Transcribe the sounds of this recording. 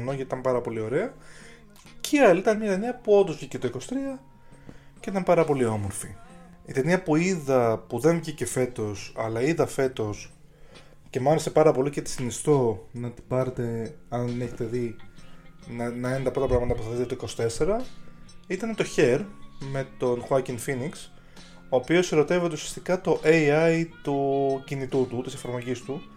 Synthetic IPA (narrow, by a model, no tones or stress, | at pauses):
nocɐt̪it̪ɐmpɐɾɐpo̞lio̞ɾe̞ɐ | cʰeɐliit̪ɐnmɲɐt̪eniɐpuo̞nd̪ozvʝicet̪o̞iko̞si̥t̪ɾiɐ | ceit̪ɐmpɐɾɐpo̞lio̞mo̞ɾfi | it̪e̞niɐpuiðɐpuðe̞ɱvʝice̞fe̞t̪o̞sɐlɐiðɐfe̞t̪o̞s | ce̞mɐɾese̞pɐɾɐpo̞licet̪i̥sinist̪o̞nɐt̪i̥bɐɾet̪e̞ɐnneçet̪e̞ði | nnɐinent̪ɐpɾo̞t̪ɐpɾɐɣɐmɐt̪ɐp̬uθɐðiðt̪et̪oiko̞si̥t̪e̞se̞ɾɐ | it̪ɐnet̪o̞çe̞ɾme̞t̪o̞nxɐciŋfiniks | o̞ːpio̞siɾo̞t̪e̞vit̪eusi̥ɐ̥st̪ikɐt̪o̞ʔeiɐjt̪ucinit̪ut̪ut̪ise̞fɐɾmo̞ʝist̪u